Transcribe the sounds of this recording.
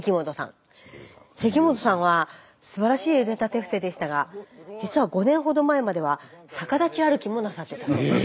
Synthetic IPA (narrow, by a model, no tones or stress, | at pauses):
ekʲimo̞t̪o̞sã̰ŋ | se̞k̬ʲimo̞t̪o̞sãɰ̃βa | sɨbaɾaɕiːɯ̟net̪at̪e̞ɸɯ̟̥se̞d̪e̞ɕi̥t̪aɡad͡ʑit͡sɨβaɡo̞nẽ̞ɰ̃ɦo̞d̪o̞mae̞mad̪e̞βasakad̪at͡ɕiaɾɯ̟kʲimo̞nasat̪ːe̞t̪a